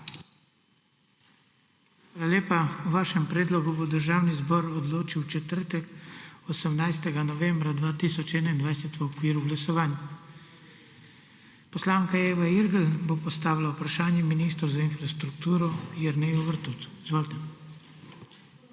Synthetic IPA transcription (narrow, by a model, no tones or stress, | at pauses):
xʋaːlaleːpauʋaːʃɛmpɾeːd̪lɔɡubod̪əɾʒaːwnizbɔːɾɔd̪loːt͡ʃiwt͡ʃɛt̪əɾt̪ɛkɔsəmnajst̪ɛɡanɔʋɛːmbɾad̪ʋaːt̪iːsɔt͡ʃɛːnaind̪ʋajsɛt̪ʋəɔkʋiːɾuɡlasɔʋaːnja | pɔslaːŋkaeːʋaiɾɡəlbopɔst̪aːʋilaupɾaʃaːnjɛminiːst̪ɾɔwzainfɾast̪ɾukt̪uːɾɔjɛɾnɛɔʋəɾt̪uːt̪izʋoːlt̪ɛ